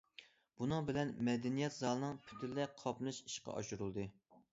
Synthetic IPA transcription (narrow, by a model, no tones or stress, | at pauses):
b̥unɨŋbɪlɛnmɛd̪ɛnijɛt̪zɑlˠnɨŋpʰy̥t̪ʰɪlːɛqʰɑplɨʃi̥ʃqɑ̰ʔɑ̰ʃuɾulˠd̪ɨ